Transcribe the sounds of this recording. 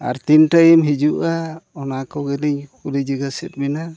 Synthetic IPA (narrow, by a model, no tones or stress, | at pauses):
a̰ɾt̪inʈajimɦid͡ʒuʔaɔnakɔɡɛdiɲkʰulid͡ʒiɡasɛt̪̚ˀmina